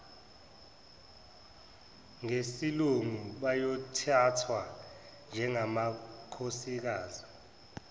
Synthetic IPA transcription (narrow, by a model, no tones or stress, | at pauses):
ŋesiluŋuɓajɔtʰatʰwa | nd͡ʒʱɛŋamakʰosik̬aːzi